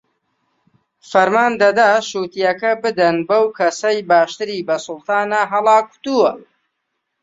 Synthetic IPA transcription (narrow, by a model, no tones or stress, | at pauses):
fɐɾmaːnd̪ɐd̪aːʃuːt̪ijɐkɐbɨd̪ɐnbɐwkʰɐsɐjbaːʃt̪ɨɾiːbɐsʊlˠt̪ʰaːnɐɦɐlˠɑːku̥t̪uwɐ